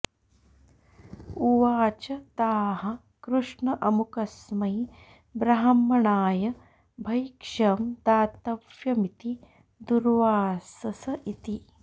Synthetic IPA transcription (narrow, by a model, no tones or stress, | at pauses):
uʋaːt͡ʃɐt̪aːɦɐ | kɾuʂɳɐʔɐmukɐsmɐj | bɾɐɦɐmːɐɳaːjɐ | bʱɐjkʂɐmd̪aːt̪ɐʋjɐmit̪i | d̪uɾʋaːsɐsɐʔit̪i